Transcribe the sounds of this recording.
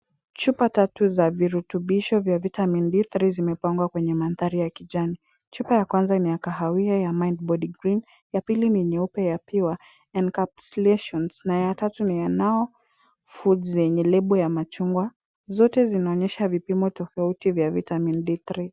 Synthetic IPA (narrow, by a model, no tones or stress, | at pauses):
t͡ʃupatatuzaviɾutuɓiʃɔvjavitamindiθɾizimɛpaŋɡwakwɛɲɛmanðaɾijakid͡ʒani | t͡ʃupajakwanzanijakaɦawiajamajnd̚bɔdiɡɾin | japiliniɲɛupɛjapiwa | ɛndkapslɛʃɔnsnajatatunijanaɔ | fudzjɛɲɛlɛɓɔjamat͡ʃuŋɡwa | zɔtɛzinaɔɲɛʃavipimɔtɔfautivjavitamindiθɾi